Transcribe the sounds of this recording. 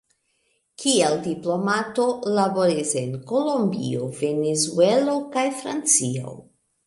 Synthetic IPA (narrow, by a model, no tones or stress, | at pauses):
kieldiplo̞mato̞laboɾise̞nko̞lombḭove̞nezuelo̞kajfɾa̰nt͡sio̰